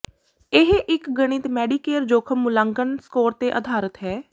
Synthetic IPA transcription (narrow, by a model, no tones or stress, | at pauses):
ɪɦʔɪkɡəɽ̃ɪt̪mɛːɖiːkeːɾd͡ʒoːkʰəmːʊlãːŋɡənskoːɾt̪eːʔəd̪ʱaːɾət̪ɦɛː